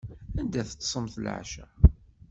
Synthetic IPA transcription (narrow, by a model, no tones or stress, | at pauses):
ænd̪æθət͡sːsˤəmθəl̰ʕ̰ʃæ̰